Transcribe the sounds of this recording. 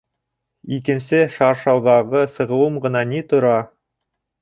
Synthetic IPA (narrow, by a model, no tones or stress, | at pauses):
ikɘ̆nsɘʃɑɾʃɑlˠʁɑʁɤsɤ̆ʁɤ̆wɤmʁɤ̆nɑnit̪ŏɾɑ